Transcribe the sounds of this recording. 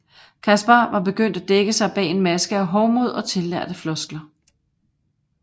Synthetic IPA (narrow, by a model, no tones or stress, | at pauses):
kʰæsb̥ɑʋɑ̈b̥e̝ɡ̥øn̰d̥æd̥eɡ̥əsɑ̈ɪb̥ɛ̰ːe̝nmæsɡ̥əæɦɒʊmo̝ð̞̰ˠɒ̽t͡sʰe̝lːæɐ̰d̥əflɒ̽sɡ̥lɐ